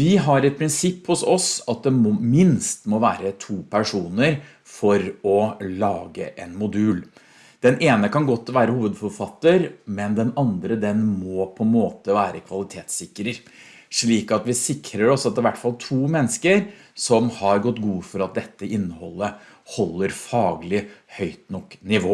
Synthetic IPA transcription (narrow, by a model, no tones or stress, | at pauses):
ʋɪɦɑɾɛt̪̚pʰɾɪnsɪpːhʊsɔsɑt̪̚d̪ɛmɔmɪnst̪mɔʋæːɾət̪ʰuːpʰæʂuːnəɾ | fɔɾɔlɑːɡə̰ʔɛnmʊd̪ʉːl | d̪̥ɛnʔeːnəkɑnɡɔt̪ːʋæːɾəhuːʋəd̪fɔɾfɑt̪ːəɾmɛnd̪ɛnɑnd̪ɾəd̪ɛnmɔːpʰɔmoːt̪əʋæːɾəkʰʋɑlɪt̪ʰeːt̪sɪkːəɾəɾ | ʂɭiːkɑt̪ʋɪsɪkɾəɾɔsɑt̪ɪʋæʈːfɑlt̪ʰuːmɛnːəskəɾ | sɔmhɑɾɡɔt̪ːɡuːfɔɾɑt̪̚d̪ɛt̪ːəʔɪnːəhɔlːə | hɔlːəɾfɑːɡlɪhœʏt̪nɔkːnɪʋoː